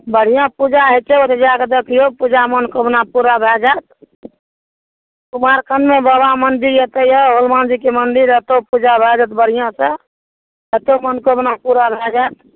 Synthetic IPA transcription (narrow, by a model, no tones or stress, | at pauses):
bəɽ̤ijãpud͡ʒaɦet͡ʃeot̪ed͡ʒaked̪ekʰijopud͡ʒamənkoəbnapuɾabʱɛd͡ʒat̪̚ | kumaɾkʰənmẽbəbamənd̪iɾjət̪əjəɦolmand͡ʒikemənd̪iɾət̪opud͡ʒabʱɛd͡ʒət̪bəɽ̤ijãsə | ət̪omənkoəbnapuɾabʱɛd͡ʒat̪